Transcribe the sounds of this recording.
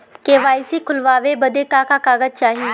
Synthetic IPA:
keːʋaːisiːkʰʊlʋaːʋeːbəd̪eːkaːkaːkaːɡəd͡ʒ̚t͡ʃaːɦi

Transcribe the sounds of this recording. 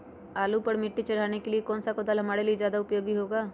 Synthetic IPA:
aːlupɐɾmɪʈːit͡ʃɐɽ̤aːnekeliekɔːnsakod̪aːlɦɐmaːɽeliezjaːd̪aʊpjoːɡiɦoːɡaː

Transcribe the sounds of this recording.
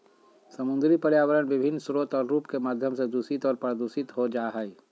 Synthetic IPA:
səmʊ̃nd̪ɾipəɾjaːwəɾənʋɪbʱɪnːsɾoːt̪ɔːɾɾuːpkemaːd̪ʱjəmsed̪uːsit̪ɔːɾpɾəd̪uːsɪt̪ɦod͡ʒaːɦɛi

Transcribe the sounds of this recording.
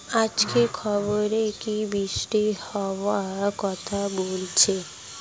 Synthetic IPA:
ad͡ʑkekʰɔboɾekibɾiʃʈihɔboakɔt̪ʰabolt͡ɕʰe

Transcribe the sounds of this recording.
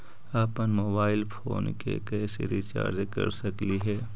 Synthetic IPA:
aːpənmoːbaːɪlpʰoːnkekɛːseɾit͡ʃa̰ːɾd͡ʒekɐ̰ɾsɐkliɦɛː

